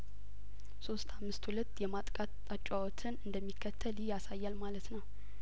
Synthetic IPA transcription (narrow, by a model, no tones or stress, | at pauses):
so̞st̪ʰamːɨst̪hulət̪ːjɛmat̪ʼkʼat̪ʼat͡ʃʼawɔt̪ʰɨnɨnd̪əmːikʰːət̪ʰːəlɪjjasajːalmalət̪nəw